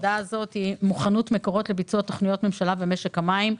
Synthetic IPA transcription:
dazo̞thimuχanutmekoʁo̞tle̞bit͡suat̪ːoχnijo̞tme̞mʃalavemeʃe̞khamaim

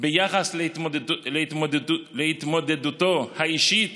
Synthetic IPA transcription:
bejaχasl | leit̪moleit̪mo̞d̪ed̪ut̪o̞haiʃit

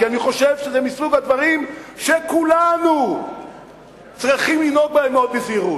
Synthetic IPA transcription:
kianiχo̞ʃevʃezemisuɡhad̪vaʁimʃekulanu | t͡sʁiχimlino̞k̚baemot̪̚beziʁut

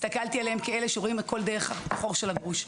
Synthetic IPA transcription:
ist̪akalt̪ialehemkeeleʃeʁoimetko̞ld̪eʁeχaχo̞ʁʃelaɡʁuʃ

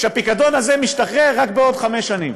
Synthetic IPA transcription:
ʃeapikado̞nazemiʃtaχʁeʁakbeo̞dχameʃanim

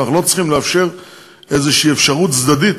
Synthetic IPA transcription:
aχnulo̞t͡sχimleafʃeʁ | ezeʃiiːefʃaʁut̪t͡sd̪adit

